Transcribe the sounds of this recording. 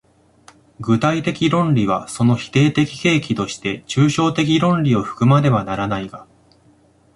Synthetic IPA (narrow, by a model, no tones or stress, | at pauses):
ɡɯ̟t̪ait̪e̞kʲiɾõ̞nɾʲiβ̞aso̞no̞çi̥t̪e̞ːt̪e̞kʲi̥ke̞ːkʲit̪o̞ɕi̥t̪e̞t͡ɕɨːɕo̞ːt̪e̞k̬ʲiɾõ̞nɾʲio̞ɸɯ̟̥kɯ̟maɾe̞βanaɾanaiɡa